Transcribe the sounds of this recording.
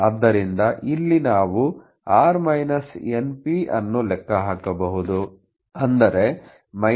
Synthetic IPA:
ɐd̪ːɐɾind̪ɐʔilːinaːʋu | aːɾmɐjnɐsenpiɐ̰nːulɛkːɐɦaːkɐbɐɦud̪u | ɐnd̪ɐɾe̞ | mɐ

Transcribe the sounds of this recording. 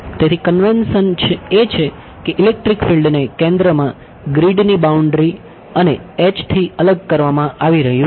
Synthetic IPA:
t̪et̪ʰikənʋensənt͡ʃʰeet͡ʃʰe | keʔɪlek̚ʈɾikfilɖnekɛ̃nd̪ɾəmã | ɡɾiɖnibauɳɖɾi | əneet͡ʃt̪ʰiələɡ̚kəɾʋamãʔaʋiɾəɦjũ

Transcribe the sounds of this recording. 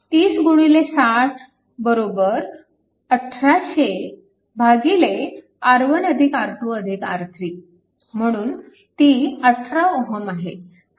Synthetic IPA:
t̪iːsɡuɽ̃ilesatʰ | bəɾobəɾ | əʈʰɾaɕe | bʱaɡile | əɾʋənəd̪ʱikaɾt̪ʰuəd̪ʱikaɾt̪ʰɾiː | m̤əɽ̃uːn | t̪iːət̪ʰɾaoɦəmaɦe

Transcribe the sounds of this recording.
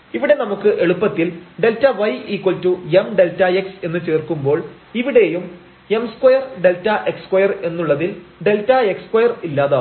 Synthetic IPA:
iʋiɽe̞nɐmukːɨʔe̞ɭupːɐt̪ːilɖe̞ltːɐʋɐjiːkːoltːuemɖe̞ltːɐekse̞nːɨt͡ɕe̞ːrkumbo̞ːɭ | iʋiɽe̞jum | e̞mskwɐjɐrɖe̞ltːɐʔe̞kskwɐjɐre̞nːuɭːɐðilɖe̞ltːɐe̞kskwɐjɐrilːaːða

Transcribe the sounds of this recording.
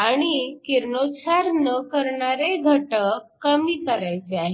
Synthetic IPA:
aɽ̃ikiɾnot͡sʰaɾnəkəɾɳaɾeɡʱəʈəkːəmiːkəɾajt͡ɕeaɦe

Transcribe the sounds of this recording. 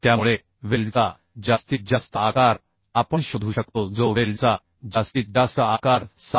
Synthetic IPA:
t̪jamuɭe | ʋelt͡sa | d͡ʑast̪id͡ʑast̪əakaɾ | apəɳɕod̪ʱuːɕəkt̪od͡zoʋelt͡sa | d͡ʑast̪it̪̚d̪asəakaɾsa

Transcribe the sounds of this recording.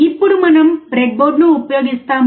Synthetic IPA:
ipːuɾumɐnɐmbɾeɡ̚boːɖnuupːɐjoːɡɪst̪ːaːm

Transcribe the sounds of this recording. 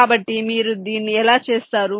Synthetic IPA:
aːbɐʈːimiːɾud̪iːnːiɛlaːt͡ʃe̞ːst̪aːɾu

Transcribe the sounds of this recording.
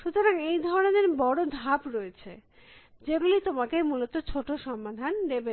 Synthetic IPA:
ʃut̪oɾaŋejd̪ʱɔɾoɾoneɾbɔɽod̪ʱapɾoet͡ɕʰe | d͡ʑeɡulejt̪omakemulot̪ot͡ɕʰoʈoʃɔmːad̪ʱand̪ebe

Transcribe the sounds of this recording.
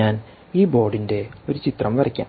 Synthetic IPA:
aːn | iːbo̞ːɖinde̞o̞ɾut͡ɕit̪rɐmʋɐrɐkʲːa̰ː

